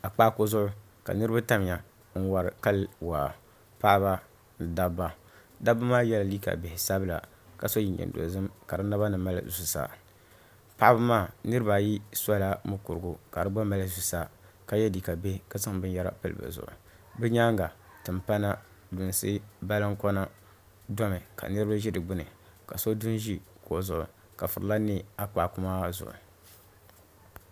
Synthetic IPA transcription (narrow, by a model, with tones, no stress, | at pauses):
a˨k͡pa˦ko˦zʊ˦ʔʊ˦ | ka̰˨nɨ˦ɾɨ˦ba˦ta˦m˨ja˨ | ŋ̩˦wa˨ɾɨ˨ka˦lwa˨ | pa˦ʔba˦ | n̩˨da˦bːa˦ | da˦bɨ˦maː˦jɛ˦la˨li˦ka̰˨be˨hɪ˨sa˦bɨ˦la̰˨ | ka˨so˦ji˨ɲɛ̰˨n˨do̰˨zɨ˦mka˨ɾɨ˦na˦ba˦nɨ˨ma˦la̰˦˨zu˨sa̰ː˨ | pa˦ʔa˦bɨ˦maː˦˨nɨ˦ɾɨ˦ba˨ji˦sa˦la˦mʊ˦ku˨ɾɨ˨ɡu˨ka˨dɨ˦ɡ͡ba˦ma˦lɨ˦zu˨sa˦˨ | ka˦jɛ˦di˨ka˨be˦ka˦sa˦ŋ˨bɨ˦n˦ja˦ɾa̰˦pɨ̰˦lɨ̰˨ba̰˨zʊ̰˨ʔʊ̰˨ | bɨ˦ɲa˦ŋ˦ɡa˨tɨ˨mpa˦na˦ | du˨n˨sɨ˦ba˦lɨ˦ŋkɔ˦na˦ | dɔ˦mɨ˨kʰa̰˨nɨ˦ɾɨ˦ba˦ʒɛ˦dɨ˨ɡ͡bɨ˦nɨ˨ | ka˨so˦du˦nʒi˦ko˨zʊ˨ʔʊ̰˨ | ka˨fɨ˨ɾɨ˨la˦ni˦˨a˦k͡pa˨kʊ˦maː˦zʊ̰˨ʔʊ̰˨